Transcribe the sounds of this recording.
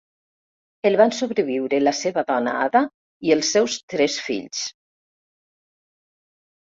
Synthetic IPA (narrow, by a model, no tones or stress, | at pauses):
elˠβansoβɾeβiwɾelaseβaðɔna̰a̰ða | ielˠsːɛwst̪ɾɛsfḭʎs